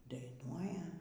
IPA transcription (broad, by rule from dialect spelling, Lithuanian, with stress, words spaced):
dɐɪˈnuɔjɛ